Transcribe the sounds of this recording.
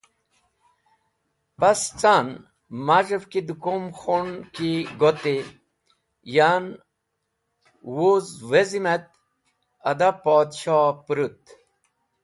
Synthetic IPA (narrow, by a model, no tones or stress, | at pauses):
past͡san | maʐəvkid̪ukomxoɳkiɡot̪e | jan | wuzʋezimet̪̚ | ɐd̪apoːd̪ɕaːpɾut̪̚